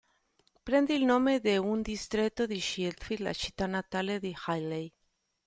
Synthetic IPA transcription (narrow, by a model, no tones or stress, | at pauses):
pɾɛnd̪iːlnomed̪eund̪ist̪ɾet̪ːoðiʃilt̪fiɾla̰t͡ʃi̥t̪ːanat̪aled̪ixajlej